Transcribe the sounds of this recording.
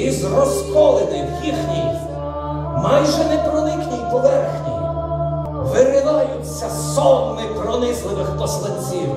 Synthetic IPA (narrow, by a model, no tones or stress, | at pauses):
izrɔskɔlˠɪnɪjixnʲij | mɑjʒɛnɛpɾɔnɪknʲijpɔʋɛrxnʲij | ʋɪɾɪlɑjʊt͡sʲːɐsɔbmɪpɾɔnɪzlˠɪʋɪxpɔslˠɐt͡sʲːiw